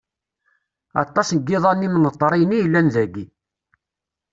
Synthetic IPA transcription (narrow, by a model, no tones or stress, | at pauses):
ɑ̰t̪ˤːɑsɡːɪðˤɑnːimnət̪ˤːɾˤijnijəlːænðæɡi